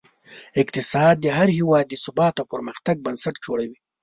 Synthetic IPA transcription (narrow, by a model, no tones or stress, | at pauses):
ɪk̚t̪ɪsɑːd̪̚ːəɦaɾhɪwɑd̪ːəsʊbɑt̪awpəɾməxt̪aɡ̚bənsaʈd͡ʒoɽawi